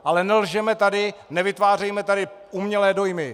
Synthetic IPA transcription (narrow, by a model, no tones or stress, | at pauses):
ʔalɛnɛlʒɛmɛt̪adɪnɛvɪt̪vaːr̝ɛjmɛt̪adɪʔumɲɛlɛːdo̞jmɪ